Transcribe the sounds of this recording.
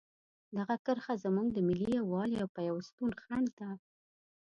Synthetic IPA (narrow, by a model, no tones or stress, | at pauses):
d̪aɣakəɾxazəmuŋɡd̪əmɪliawɑliawpajawst̪unxaɳɖt̪a